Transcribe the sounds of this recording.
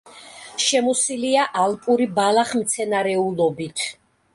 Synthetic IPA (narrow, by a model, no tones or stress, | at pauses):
ʃɛmɔsiliaʔalpʼuɾibalˠaχmt̪sʰɛnaɾɛulˠɔbit̪ʰ